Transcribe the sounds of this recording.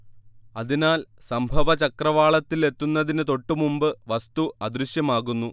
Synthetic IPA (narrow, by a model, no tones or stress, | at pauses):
ɐðinaːl | sɐmbʱɐʋɐt͡ɕɐkrɐʋaːɭɐt̪ːile̞t̪ːunːɐðinɨt̪o̞ʈːumumbɨʋɐst̪uɐd̪ɾuɕjɐmaːɣunːu